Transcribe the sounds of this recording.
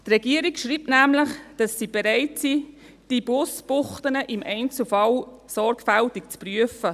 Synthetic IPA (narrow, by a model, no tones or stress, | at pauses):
t̪rɛɡ̥iəɾikʃɾiːp̚tnæmləχd̥ɑsːib̥eɾɛɪtsi | d̥ib̥ʊsbʊχtənəʔɪmʔɛɪnt͡sl̩fɑl | sɔɾkfæltikt͡spryəfə